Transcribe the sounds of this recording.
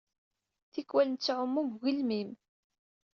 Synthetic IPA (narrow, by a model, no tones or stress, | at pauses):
θikwælənt͡sːʕʊmːuɡɣilmim